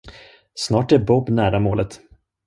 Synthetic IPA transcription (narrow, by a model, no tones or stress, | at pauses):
snɑːʈæɾbɔbnæːɾamoːlət̪